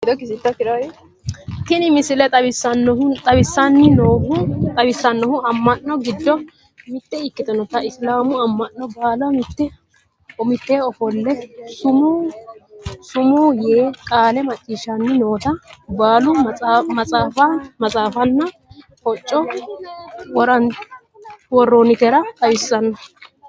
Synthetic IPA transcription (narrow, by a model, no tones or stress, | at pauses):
ɡɪd̪ɔkɪsɪt̪ːɔkɪɾɐ | t̪ɪnɪmɪsɪlɛt̪ʼɐbɪsːɐnːɔʊt̪ʼɐbɪsːɐnːɪnoːhʊt̪ʼɐwɪsːɐnːɔhʊɐmːɐnːɔɡɪd̪ːɔ | mɪt̪ːɛɪkːɪd̪ɐnɔt̪ːɐɪslaːmʊɐmːɐnːɔbaːlɔmɪt̪ːɛ | ɔmɪt̪ːeːɔfɔlːɛsʊmu | sʊmuːjeːkʼaːlɛmɐt͡ʃʼːiːʃanːɪno̞ːt̪ɐbaːlʊmɐt͡sʼaːfamɐt͡sʼaːfɐnːɐ | hɔt͡ʃʼːɔ | wɔɾɐn | wɔrːonɪt̪ɛɾɐt̪ʼɐwɪsːɐnːɐ